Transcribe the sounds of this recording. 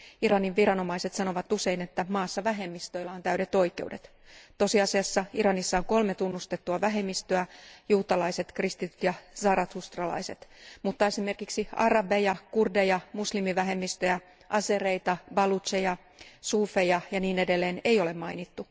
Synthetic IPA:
iɾɑniʋʋirɑno̞mɑiset̪sɑno̞ʋɑt̪use̞ine̞t̪ːæmɑːsːɑʋæɦe̞mːist̪øilːɑont̪æyɾet̪o̞ike̞̰ude̞t̪ | t̪o̞siɑsiɑsːɑiɾɑnisːɑoŋko̞lmet̪unːust̪et̪ːuɑʋæɦe̞mːist̪øæjuːt̪ɑlɑise̞t̪krist̪it̪yt̪jɑsɑːɾɑt̪hust̪rɑlɑ̰ise̞t̪mut̪ːɑe̞sime̞rkiksiɑ̰rɑbejɑkurdejɑmuslimiʋæɦe̞mːist̪øjæ | ʔɑse̞re̞it̪ɑbɑlut̪sejɑ | suːfejɑjɑniːne̞delːeːne̞jo̞lemmɑinit̪ːu

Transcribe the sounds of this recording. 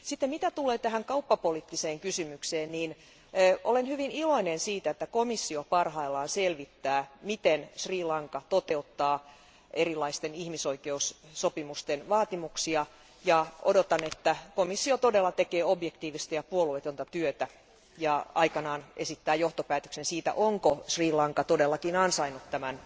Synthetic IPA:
sit̪ːemit̪æt̪ulˑeːt̪æɦæŋkɑupːɑpoliːt̪ːiseːŋkysymykseːnniːnː | ʔolenhyʋiniloinensiːt̪æet̪ːækomisːiopɑrhɑilːɑːnselʋit̪ːæːmit̪ensriːlɑŋkɑt̪ot̪eut̪ːɑː | erilːˑɑist̪enihmisoikeusːopimust̪enʋɑːt̪imuksiɑ | jɑodot̪ɑnet̪ːækomisːiot̪odelːɑt̪ekeːobjekt̪iːʋist̪ɑjɑpuoluet̪ont̪ɑt̪yøt̪æ | jɑɑikɑnɑːnesit̪ːæːjoht̪opæːt̪ø̥ksensiːt̪æ̰ʔoŋkosriːlɑŋkɑt̪odelːɑkinɑnsɑinut̪t̪æmæn

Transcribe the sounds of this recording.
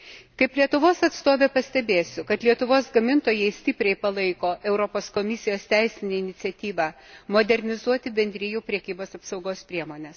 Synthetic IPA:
kɐɪplʲiɛt̪ʊʋoːsɐt̪st̪oːʋʲeːpɐsʲt̪ʲɛbʲeːsʲʊkɐt̪lʲiɛt̪ʊʋoːsɡɐmʲɪnt̪oːjɛɪsʲt̪ʲɪpʲɾʲɛɪpɐlˠɐɪkoːʔɛʊɾopoːskoːmʲɪsʲɪjoːst̪ʲɛɪsʲɪnʲeːɪnʲɪt̪sʲɛt̪ʲiːʋɑ | moːd̪ʲɛɾʲnʲɪzuɔt̪ʲɪbʲɛnʲd̪ʲɾʲɪjuːpʲɾʲɛkʲiːboːsɐpsɐʊɡoːspʲɾʲiɛmoːnʲɛs

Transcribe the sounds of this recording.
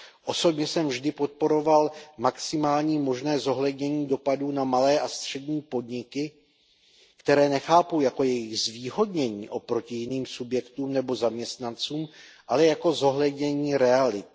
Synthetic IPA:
ʔo̞so̞bɲɛsɛmvʒdɪpo̞t̪̚po̞ɾo̞valmaksɪmaːlɲiːmo̞ʒnɛːzo̞ɦlɛdɲɛɲiːdo̞paduːnamalɛːʔast̪r̝̥ɛdɲiːpo̞dɲɪkɪ | kt̪ɛɾɛːnɛxaːpowjako̞jɛjɪɣzviːɦo̞dɲɛɲḭːʔo̞pɾo̞cɪjɪniːmsubjɛkt̪uːmnɛbo̞zamɲɛst̪nant͡suːmʔalɛjako̞zo̞ɦlɛdɲɛɲiːɾɛalɪt̪̚

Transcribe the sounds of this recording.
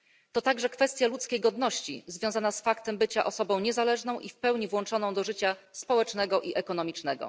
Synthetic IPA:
t̪ɔt̪aɡʐɛkfɛst̪ʲjalut̪skʲejɡɔd̪nɔɕt͡ɕḭzvʲjɔ̃w̃zanasfakt̪ɛmbɘt͡ɕaʔɔsɔbɔ̃w̃ɲɛzalɛʐnɔ̃w̃ʔifpɛwɲivwɔnt͡ʂɔnɔ̃w̃d̪ɔʐɘt͡ɕaspɔwɛt͡ʂnɛɡɔʔiʔɛkɔnɔmʲit͡ʂnɛɡɔ̰

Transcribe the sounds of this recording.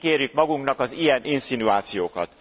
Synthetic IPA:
keːrjykmɒɡuŋknɒkɒzijɛnʔinsinuaːt̪sijoːkɒt̪

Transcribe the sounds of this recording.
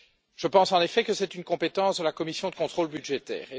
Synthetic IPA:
ʒ̥əpɑ̃sɑ̃nefɛkəsɛt̪ynkɔ̃pet̪ɑ̃sd̪əlakɔmisjɔ̃d̪əkɔ̃t̪χolbyd̪ʒet̪ɛ̰ːʁe

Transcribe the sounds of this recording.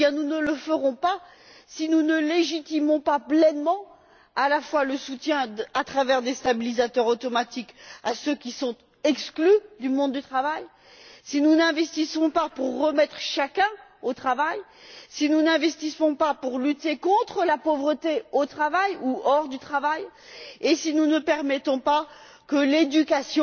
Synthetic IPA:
jɛ̃nunələfəʁɔ̃pa | sinunəleʒit̪imɔ̃paplɛnmɑ̃ | alafwaləsut̪jɛ̃at̪χavɛʁd̪est̪abilizat̪œʁot̪ɔmat̪ikasøkʲisɔ̃t̪ | ɛksklyd̪ymɔ̃d̪ːyt̪χavaj | sinunɛ̃vɛst̪isɔ̃papuʁːəmɛt̪χʃakʲɛ̃ot̪χavajsinunɛ̃vɛst̪isɔ̃papuʁlyt̪ekɔ̃t̪χəlapovʁət̪eot̪χavajuɔʁd̪yt̪χavajesinunəpɛʁmɛt̪ɔ̃pa | kəled̪ykasjɔ̃

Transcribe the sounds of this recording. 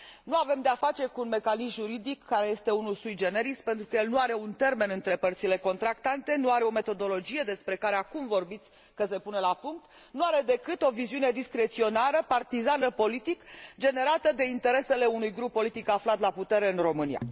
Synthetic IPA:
nuave̞md̪eafat͡ʃe̞kuːnme̞kanismʒuɾid̪ikːaɾe̞je̞st̪e̞unulsujd͡ʒe̞neɾispe̞nt̪ɾukəjelnuaɾe̞unt̪e̞rme̞nɨnt̪ɾe̞pərt̪sile̞ko̞nt̪ɾakt̪ant̪e̞nuaɾeo̞me̞t̪o̞d̪o̞lo̞d͡ʒijed̪e̞spɾe̞kaɾeakumvo̞rbit̪sʲ | kəse̞punelapuŋk̚t̪ | nuaɾe̞d̪e̞kɨt̪o̞viziune̞d̪iskɾe̞t̪sio̞naɾəpart̪izanəpo̞lit̪ikd͡ʒe̞ne̞ɾat̪əd̪e̞int̪e̞ɾe̞se̞le̞unujɡɾupːo̞lit̪ikaflat̪laput̪e̞ɾe̞ɨnro̞mɨnija̰

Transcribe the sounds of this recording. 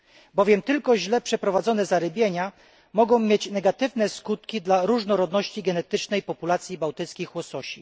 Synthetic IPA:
bɔvʲjɛmt̪ɘlkɔʑlɛpʂɛpɾɔvad̪zɔnɛzaɾɘbʲjeɲa | mɔɡɔ̃w̃mʲjet͡ɕnɛɡat̪ɘvnɛskut̪kʲid̪laɾuʐnɔɾɔd̪nɔɕt͡ɕiɡɛnɛt̪ɘt͡ʂnɛjpɔpulat̪sʲjibawt̪ɘt̪skʲixwɔsɔɕi

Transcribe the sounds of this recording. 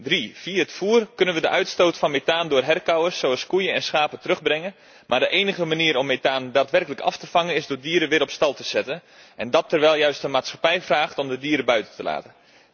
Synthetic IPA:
drifiəətfuːərkɵnənʋədəʔœɥtstoːtfɑnmetaːndʊːrɦɛrkawəsːowɑlˠskujənɛnsxaːpətərøxbrɛŋən | maːrdəʔeːnəɣəmaniəɾɔmːetaːndaːtʋɛrkələkɑ̰ftəfɑŋənɪzdʊːrdiːɾəʋɪɾɔpstɑlˠtəz̥ɛtən | ɛndɔtʰːərʋɛlˠjœɥstəmaːtsxḁpɛjfraːxtɔmdədiəɾəbœɥtəntəla̰ːtən

